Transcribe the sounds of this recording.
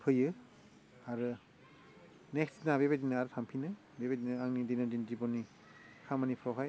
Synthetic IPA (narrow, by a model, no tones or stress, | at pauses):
pʰɯjɯ | aɾɯ | neksnabebajdinɯaɾɯtʰampʰinɯ | bebajdinɯaŋnidinadindibɔni | kʰamanipʰɾɔwɦaj